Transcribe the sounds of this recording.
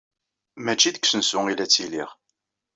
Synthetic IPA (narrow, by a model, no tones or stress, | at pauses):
mæt͡ʃːiðəkʷsənsʊŋilːæt͡sːiliʁ